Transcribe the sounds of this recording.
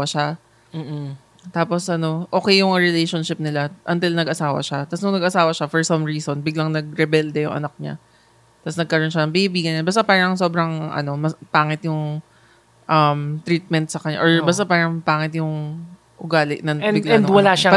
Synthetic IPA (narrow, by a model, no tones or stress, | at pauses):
ɐʃa | t̪aːposʔɐno̞ʔo̞ːkɛjːʊŋɹɪlejʃonʃɪp̚nɪlaʔɐnt̪ɪlnɐɡʔɐsaːwɐ̰ʃat̪ɐsnʊŋnɐɡɐsaːwɐʃafɔɹsɐmɹiːsonbɪɡlɐŋnɐɡ̚ɾɛbɛld̪ɛjʊ̰ŋʔɐ̰nɐk̚ɲa̰ | t̪ɐsnɐɡ̚kɐɾo̞nʃanɐŋbiʔɪbiːɡɐnɲabaːst̪apaːɾɐŋso̞ːbɾɐŋʔɐ̰no̞mɐpaːŋɪt̪jʊŋ | ʔɐmt̪ɾiːt̪̚mɛnt̪̚sɐkɐɲa̰ʔoɹbaːs̬t̪apaːɾɐŋpaːŋɪt̪jʊŋ | ʔʊɡaːlɪʔnɐŋbɪɡlɛnd̪wɐlaʃa